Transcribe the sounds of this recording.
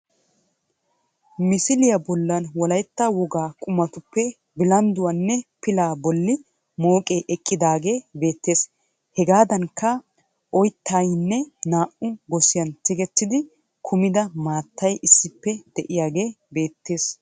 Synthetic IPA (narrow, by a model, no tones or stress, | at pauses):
mɪsɪlɪjɐbɔlːɐnwɔlɐjt̪ːawɔɡaːkʼʊmɐt̪ʊpːɛ | bɪlɐnd̪ʊwɐnːɛpɪlaːbɔlːɪ | mo̞ːkʼeːʔɛkʼːɪd̪aːɡe̞ːbe̞ːt̪ːe̞ːs | hɛɡaːd̪ɐŋkːɐ | ʔɔjt̪ʰːajnːɛnaːʔʊɡɔsɪjɐnt̪ɪɡɛt̪ːɪd̪ɪ | kʰʊmɪd̪ɐmaːt̪ːɐjʔɪsːɪpːɛd̪̥ɛʔɪjaːɡe̞ː | be̞ːt̪ːe̞ːs